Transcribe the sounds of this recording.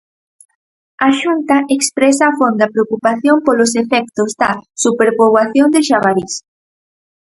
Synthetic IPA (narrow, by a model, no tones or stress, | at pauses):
aʃunt̪ɐekspɾɛsaːfond̪ɐpɾeokupaθjompolos̬efɛk̚t̪ozd̪ɐsupeɾpoβwaθjond̪eʃaβaɾis